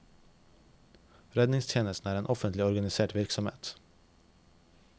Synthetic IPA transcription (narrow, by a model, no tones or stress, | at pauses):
ɾɛd̪nɪŋst̪ʰjeːnəst̪n̩æːɾeːnʔɔfənt̪lɪɔɾɡɑnɪseːʈʋɪɾksɔmḛːt̪